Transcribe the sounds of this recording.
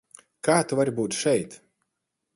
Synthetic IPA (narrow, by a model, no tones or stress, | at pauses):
kaːt̪uvaɾbuːt̪ʃɛjt̪